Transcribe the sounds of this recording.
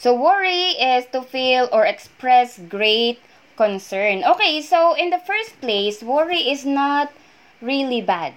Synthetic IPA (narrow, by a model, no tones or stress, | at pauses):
sowɔɹiɪst̪ufilɔɹɛkspɹɛsɡɹeɪt̪̚ | kɔ̃nsɛɹnokeɪsowɪ̃nd̪əfɛɹst̪̚pleɪswɔɹiɪsnat̪̚ | ɹilibad̪̚